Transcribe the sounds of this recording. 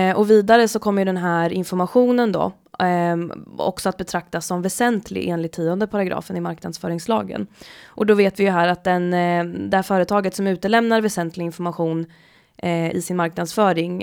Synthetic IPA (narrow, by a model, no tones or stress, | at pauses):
ɔviːd̪aɾəsɔkʰɔmːəjɵd̪ɛnɦæːɾɪnfɔɾmaɧuːnənd̪ɔ̰ | ɔ̰ksɔat̪̚bɛt̪ʰɾak̚t̪asːɔmvɛsɛnt̪ʰlɪ̰ʔḛːnlɪt̪ʰːiːɔnd̪əpʰaɾaɡɾɑ̰ːfənɪmaɾknad̪sfœːɾɪŋslɑ̰ːɡə̰nʔɔd̪ɔveːt̪vɪjɵɦæːɾat̪̚d̪ɛnd̪ɛhæːɾfœːɾət̪ʰɑːɡət̪sɔmʉ̟ːt̪əlɛmnaɾvɛsɛnt̪lɪɡɪnfɔɾmaɧuːn | ʔɪ̰sɪnmaɾknad̪sfœːɾɪŋ